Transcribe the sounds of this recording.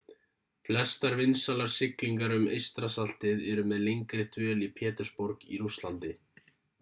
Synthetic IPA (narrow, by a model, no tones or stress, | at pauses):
flɛst̪aɾvɪnsalaɾ̥sɪkliŋkaɾʏmḛjst̪ɾasal̥t̪ɪðɛɾʏmɛðlejŋkɾɪt̪ʰvœːlipʰɛːt̪ʏɾspoɾkiɾust̪lant̪ɪ